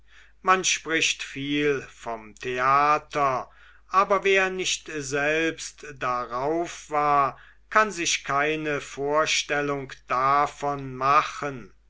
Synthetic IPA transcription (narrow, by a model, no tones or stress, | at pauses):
manʃpʁ̥ɪʃtfiːlfɔmtʰeaːtʰɐ | ʔaːbɐveːɐnɪʃtzɛlpstd̥aʁaʊfv̥aːɐ | kʰanzɪʃkʰaɪnəfoːɐʃtɛlʊŋkd̥afɔnmaχən